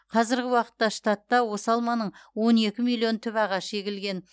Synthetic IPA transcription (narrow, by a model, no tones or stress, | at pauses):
qʰɑzɪɾɡʲɪwɑqə̥t̪ːɑʃt̪ɑt̪ːɑwo̞sɑlˠmɑnəɴwo̞ne̞kʲɪmijlˠːio̞nt̪ʰʏpɑʁɑʃʃe̞ɡʲɪlɡʲe̞n